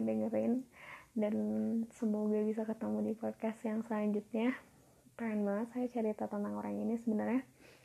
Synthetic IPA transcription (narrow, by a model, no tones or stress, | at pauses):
dəŋəɾɪndansəmoɡabisakət̪əmudipɔd̚kasjaŋsəlaɲd͡ʒut̪̚ɲa | pahanbaŋət̪sajat͡ʃaɾit̪at̪ənaŋoɾaŋinisəbənarɲa